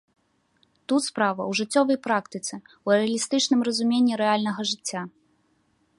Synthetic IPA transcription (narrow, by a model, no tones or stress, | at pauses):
t̪ut̪spɾavɐ̰wʐɨt͡sʲːɔvɐjpɾakt̪ɨt̪sɨwɛɛɐlʲist̪ɨt͡ʂnɨmrɐzumʲenʲːiɾɛalʲnɐɣɐʐɨt͡sʲːa